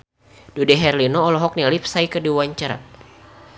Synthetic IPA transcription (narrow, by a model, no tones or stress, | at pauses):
dudɛɦɛrlinɔːlɔɦɔk̚nɛlip̚saikədiwaɲt͡ʃaɾa̰t̪̚